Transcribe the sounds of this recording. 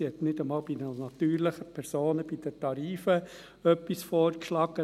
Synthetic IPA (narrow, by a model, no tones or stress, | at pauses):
hɛt̪nɪdəmɑːlbidənɑt̪yːɾləχəpʰɛɾsoːnəb̥id̥̪ətɑɾiːfə | œpːisfoːrkʃlɑɡə